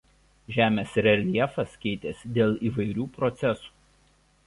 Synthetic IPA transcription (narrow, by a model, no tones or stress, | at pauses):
ʒʲæːmʲeːsɾʲɛlʲiɛfɐskʲɛɪt̪ʲeːsʲd̪ʲeːlˠiːʋɐɪɾʲuːpɾɔt̪sʲɛsu̥ː